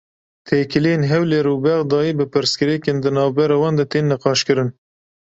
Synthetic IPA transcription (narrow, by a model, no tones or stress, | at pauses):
t̪ʰeːkɨlijeːnɦɛwleːɾuːbɛɣd̪ɑːjiːbɨpɨɾskɨɾɛkeːnd̪ɨnɑːvbɛɾɑːwɑːnd̪ɛt̪ʰeːnːɛqɑːʃkɨɾɨn